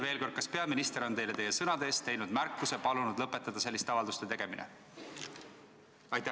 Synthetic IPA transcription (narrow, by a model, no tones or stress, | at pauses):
ve̞ːlko̞rd̪̥̚kɑspe̞ɑminist̪e̞ɾo̞ne̞jle̞t̪e̞jesɤnɑd̪eːst̪ejnud̪̥mærkːusepɑlunud̪̥lɤpːˑe̞t̪ːˑɑd̪̥ɑse̞lʲːist̪eɑvɑld̪ust̪e̞t̪e̞ɡ̥e̞minḛ | ɑjt̪ː